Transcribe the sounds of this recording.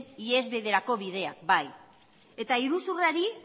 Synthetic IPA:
nie̞zβe̞ðe̞ɾako̞βið̞e̞a̰kbaj | e̞t̪aiɾusuraɾi

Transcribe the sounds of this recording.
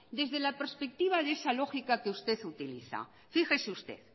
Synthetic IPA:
d̪e̞zðe̞lapeɾspek̚t̪iβ̞aðesalo̞xikakeust̪e̞θut̪iliθa̰ | fixeseust̪e̞̰θ

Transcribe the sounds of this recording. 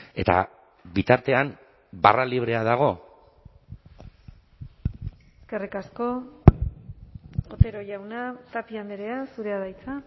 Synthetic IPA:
e̞t̪a̰ | bit̪aɾt̪e̞am | ba̰raliβ̞ɾe̞að̞aɣ̞o̞ | eske̞rikasko̞ | ot̪e̞ɾo̞ʝawnat̪apiand̪eɾe̞asuɾe̞aðajt͡sa

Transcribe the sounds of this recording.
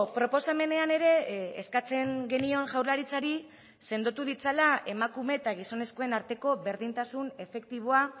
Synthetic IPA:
pɾo̞po̞same̞ne̞ane̞ɾe̞eskat͡se̞ŋɡe̞nio̞nʝawɾlaɾit͡saɾi | se̞nd̪ot̪uðit͡salae̞makume̞t̪aɣ̞iso̞ne̞sko̞e̞naɾt̪e̞ko̞βe̞ɾðint̪asune̞fe̞k̚t̪iβ̞oa

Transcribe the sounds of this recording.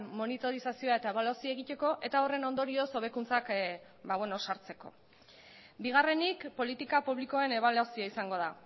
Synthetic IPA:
mo̞nit̪o̞ɾisasio̞ae̞t̪ae̞βalasie̞ɣit̪e̞ko̞ʔe̞t̪ao̞re̞no̞nd̪o̞ɾio̞so̞β̞e̞kunt͡sak | baβweno̞saɾt͡se̞ko̞̰ | biɣ̞are̞nikpo̞lit̪ikapuβliko̞ene̞β̞alasiaisaŋɡo̞ð̞a

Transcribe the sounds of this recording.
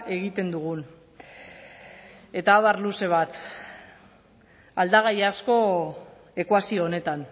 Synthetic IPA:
e̞ɣit̪e̞nd̪uɣ̞un | e̞t̪aːβarluse̞β̞at̪ | ald̪aɣ̞ajasko̞ | e̞kwasioːne̞t̪an

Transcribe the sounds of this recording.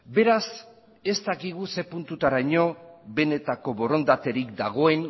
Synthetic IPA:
be̞ɾas | e̞st̪akiɣ̞use̞punt̪ut̪aɾajɲo̞βe̞ne̞t̪ako̞βo̞ro̞nd̪at̪e̞ɾikd̪aɣ̞o̞e̞n

